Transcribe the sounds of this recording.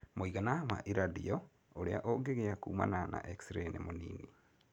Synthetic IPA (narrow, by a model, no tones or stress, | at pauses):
moiɣanama̰ʔiɾadiɔ | oɾeaʔoɡeɣeakuːma̰nana̰ʔeksɾenimoniːni